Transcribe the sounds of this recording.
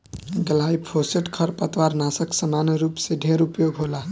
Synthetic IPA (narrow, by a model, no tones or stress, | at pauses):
ɡəlaipʰoseʈkʰəɾpət̪ʋaɾnasəksəmaneɾupseɖʱeɾupjoɡʱɦola